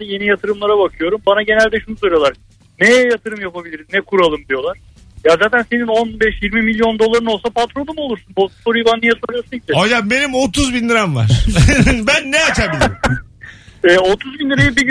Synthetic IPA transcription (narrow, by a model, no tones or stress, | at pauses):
ije̞nijat̪ʰɯɾɯmlˠaɾabakʰɯjo̞ɾumbanaɟe̞nælʲd̪ɛʃunusoɾʲijoaɾ | nɛjɛjat̪ʰɯɾɯmjapabilʲiɾiznɛkʰuɾalˠɯmd̪ijo̞lˠaɾ̝̥ | jazaːt̪ʰænse̞nino̞nbɛʃjiɾmimilʲjo̞nd̪o̞lˠaɾɯnolsapat̪ɾolˠumɯo̞lˠuɾsunbot̪foɾijbanːijɛsoɾasɯɟid̪ɪajabe̞nimot̪uzbind̪iɾamva̰ɾ | bænːɛat͡ʃʰabilʲiɾi | ɛːo̞t̪ʰuzbind̪iɾejɯbiɟ